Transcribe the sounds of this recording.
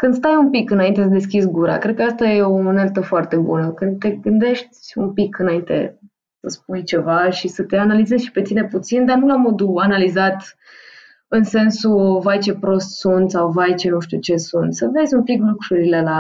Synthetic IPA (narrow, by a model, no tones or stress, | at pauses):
kɨnd̪st̪ajumpikɨnaint̪ed̪e̞skʲisɡuɾa̰kɾe̞d̪̚kəast̪aje̞omonelt̪əfoart̪e̞bṵnəkɨnt̪e̞ɡɨnd̪e̞ʃt̪ʲṵmpikʰɨnaint̪e̞̰ | səsp̚ujt͡ʃevaʃisət̪e̞analize̞zʃpe̞t̪ine̞put̪sind̪anulamo̞d̪uanalizat̪ | ɨnse̞nsuvajt͡ʃe̞pɾo̞st̪sunt̪sawvajt͡ʃe̞nuʃt̪jut͡ʃe̞sunt̪səve̞zʲumpiklukɾuɾile̞la